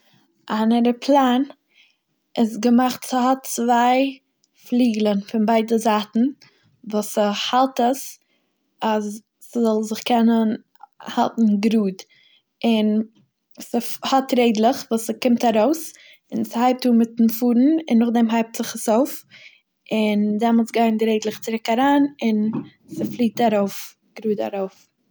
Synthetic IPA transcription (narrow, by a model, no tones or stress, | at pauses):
ʔanəɾəpʰlˠaːn | ɪsɡəmaχtsɪɦɔtt͡svaɪ | flˠiːɡlˠənfɪnbaɪdəzaːtn̩ | vuːsəhalˠtəs | asː | zɔlˠzɪχkɛnən | ha̰lˠtn̩ɡɾuːd | ɪn | səhɔtɾeɪdlˠəχvuːsəkɪmtaɾoʊs | ɪnsəhaɪp̚tuːmɪtn̩fuːɾn̩ɪ̰nːʊχdɛmɦaɪp̚tz̥ɪχəsoʊf | ɪndɛmɔlˠsɡaɪndɪɾeɪdlˠəχt͡sɪɾɪkaɾaːnɪn | səflˠiːtaɾoʊf | ɡ̥ɾuːda̰ɾoʊf